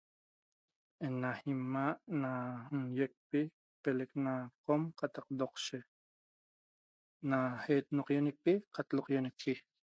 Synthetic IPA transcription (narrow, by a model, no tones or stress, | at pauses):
enahimaʔnanjek̚pi | peleknaqomqɑt̪ɑq̚d̪oqʃe | nahet̪noqjonik̚piqat̪loqjonik̚pi